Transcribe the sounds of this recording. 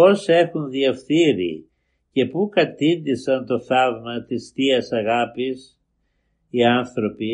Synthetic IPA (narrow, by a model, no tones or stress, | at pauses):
o̞se̞xunðiɐfθiɾḭ | ce̞pukɐt̪ind̪isɐnt̪o̞θɐvmɐt̪ist̪iɐsɐɣɐpis | iɐnθɾo̞pi